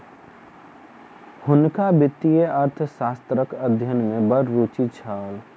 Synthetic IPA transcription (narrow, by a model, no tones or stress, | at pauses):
hʊnkabɪt̪ːijeəɾt̪ʰsaːst̪ɾəkəd̪ʱjənmẽbəɾːuːt͡ʃit͡ʃʰaːl